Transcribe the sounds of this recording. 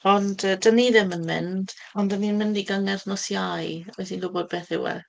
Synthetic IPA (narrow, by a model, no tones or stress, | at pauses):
ɔndədəniðɪmənmɪ̰nd̥ɔndəninmɪndiɡaŋɛrθnɔsjajɔjsinlˠʊbɔdbeːθɪ̰wɛ̰